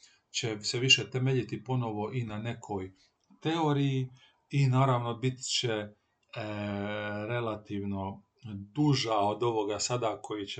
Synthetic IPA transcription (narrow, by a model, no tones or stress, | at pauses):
t͡ɕeseʋiʃet̪emeʎit̪ipo̞no̞ʋo̞ʔinane̞kʰo̞j | t̪e̞oɾiji | inaːɾaːʋnobit̪t͡ɕe | ɾe̞lat̪iːʋno̞ | d̪uʒao̞d̪o̞ʋo̞ɡasad̪akʰo̞jit͡ɕe